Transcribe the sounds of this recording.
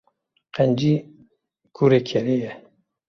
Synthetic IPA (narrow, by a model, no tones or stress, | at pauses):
qɛnd͡ʒi | kʰuɾekʰɛɾejɛ